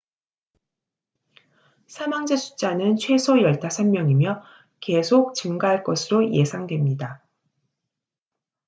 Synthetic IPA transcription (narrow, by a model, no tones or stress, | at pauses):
sʰamaŋd͡ʑesʰu̥t͡ɕ͈anɯnt͡ɕʰwe̞sʰojʌɭtʰasʰamːjʌŋimjʌ | ke̞sʰok̚t͡ɕɯŋɡaɦaɭk͈ʌsʰɯɾoje̞sʰaŋdwe̞mɲida